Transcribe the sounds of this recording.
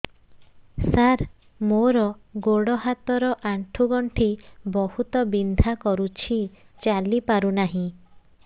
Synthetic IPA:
saɾ | moɾɔɡoɽɔɦat̪ɔɾɔʔaɳʈʰuɡɔɳʈʰibɔhut̪ɔbind̪ʱakɔɾut͡ʃʰi | t͡ʃalipaɾunaɦĩ

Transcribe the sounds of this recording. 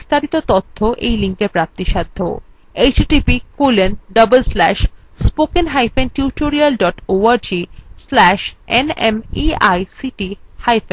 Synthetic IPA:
ist̪ʰaɾit̪ot̪ot̪ʰːoʔḛjliŋkeɾpɾap̚t̪iʃad̪ʱːo̰ | ejt͡ɕʈipikolenɖʌbəlslɛʃ | spokenɦajfenʈjuʈoɾialɖɔʈoaɾd͡ʑislɛʃenemiajsiʈihajfen

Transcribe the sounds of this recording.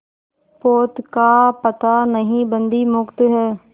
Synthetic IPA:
poːt̪kaːpət̪aːnəɦĩːbənd̪iːmʊkt̪ɦɛː

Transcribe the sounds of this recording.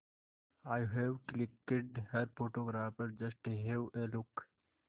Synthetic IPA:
aːjɦeʋklɪkːɪɖhɐɾpoːʈoːɡɾaːpəɾd͡ʒɐsʈeɦewelʊk

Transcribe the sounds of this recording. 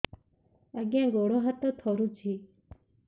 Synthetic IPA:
əɡjãːɡoːɽoːɦət̪ot̪ʰoːɾũːt͡ʃʰiː

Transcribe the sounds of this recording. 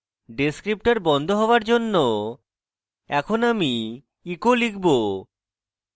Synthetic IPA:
ɖeskɾip̚ʈaɾbɔnd̪ʱoɦɔaɾd͡ʑonːo | ɛkʰonami | ikolikʰbo

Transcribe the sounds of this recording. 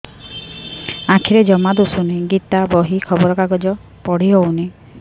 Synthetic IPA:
ãkʰiɾed͡ʒɔmad̪usuneɡit̪abɔɦikʰɔbɔɾɔkaɡɔd͡ʒɔ | pɔɽ̤iɦowne

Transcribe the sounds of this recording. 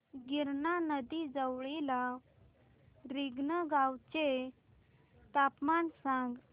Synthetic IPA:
ɡiɾɳanəd̪id͡zəwɭela | ɾiɡnəɡawt͡ɕe | t̪apmansãŋɡ

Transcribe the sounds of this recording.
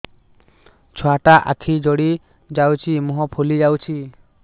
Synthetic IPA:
t͡ʃʰɔaʈaʔa̰kʰid͡ʒɔɽi | d͡ʒawt͡ʃʰimuɦɔpʰulid͡ʒawt͡ʃʰi

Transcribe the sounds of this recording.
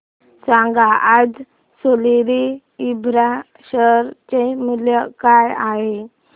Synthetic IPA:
sãŋɡaad͡z | soliɾi | ibɾa | ɕəɾt͡ɕemuljəkajaɦe

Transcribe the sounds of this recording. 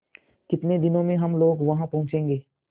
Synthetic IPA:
kɪt̪ned̪ɪnõmẽɦɐmloːɡʋɐɦãpɐɦʊ̃t͡ʃẽːŋɡeː

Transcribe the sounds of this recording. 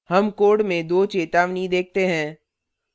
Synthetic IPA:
hɐmkoːɖmẽd̪oːt͡ʃeːt̪aːʋnid̪eːk̚ʰt̪eɦɛ̃ː

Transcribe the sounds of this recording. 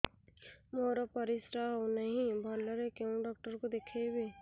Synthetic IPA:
moːɾopɐɾɪsɾaonɐɦĩbʱaɾləɾekeũɖɔːk̚ʈəɾkod̪eːkʰeweː

